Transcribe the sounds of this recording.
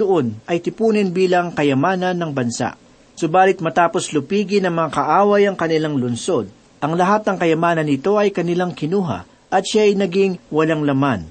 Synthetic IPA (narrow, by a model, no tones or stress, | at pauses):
d̪ʊʔo̞nʔɐjt̪ɪpuːnɪnbiːlɐŋkɐjɐmaːnɐnːɐŋbɐnsa̰ʔ | sʊbaːlɪt̪̚mɐt̪aːpo̞slʊpiːɡɪnɐmɐŋakɐʔaːwɐjɐŋkɐnɪlaŋlʊnso̞d̪̚ | ʔɐŋlɐɦat̪̚nɐŋkɐjɐmaːnɐnːɪt̪o̞ʔɐjkɐnɪlaŋkɪnuːɦɐ̰ | ʔɐt̪ʃajnɐɡiŋwɐlaŋlɐman